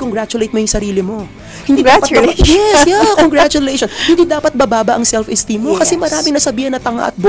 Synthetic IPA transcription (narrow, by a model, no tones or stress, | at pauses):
koŋɡɾat͡ʃʊlejt̪̚mojʊŋsɐɾiːlɪmo̞ | hɪnd̪ipɐt̪jɛsjaoŋɡɾat͡ʃʊlejʃonhɪnd̪id̪aːpɐt̪̚bɐbaːbɐʔɐŋsɛlfɪst̪imːokɐsɛmɐɾaːmɪŋnɐsɐbiːhɐnːɐt̪ɐŋa̰ʔɐ̰t̪̚b